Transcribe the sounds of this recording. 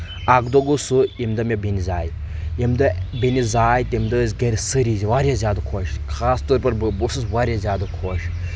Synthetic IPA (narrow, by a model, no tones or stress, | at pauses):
aɡd̪oɡusuimd̪ɐmʲɐbinizaːj | imd̪ɐbinizaːjt̪imd̪ɐzʲɡɐɾʲsɨɾiziʋaːɾʲjazʲjaːd̪ɐkʰoːʃkʰaːst̪oːɾpɐɾbusɨsʋaːɾʲjazʲjaːd̪ɐkʰoːʃ